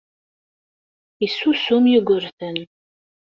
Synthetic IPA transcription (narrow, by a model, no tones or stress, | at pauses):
isusumjɪɡʷəɾθən